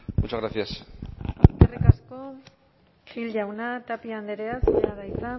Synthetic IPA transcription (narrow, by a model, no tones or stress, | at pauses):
ut͡ʃaɣɾaθiasaskerekasko̞ | xilʝawnat̪apiand̪eɾeasɲaðajsa